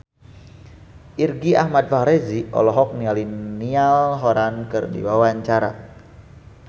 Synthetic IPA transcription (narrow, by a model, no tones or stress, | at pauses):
ʔirɡiahmat̪̚fahɾeziɔ̰lɔɦɔk̚nialinialɦoɾankɨrdḭwawaɲt͡ʃaɾa̰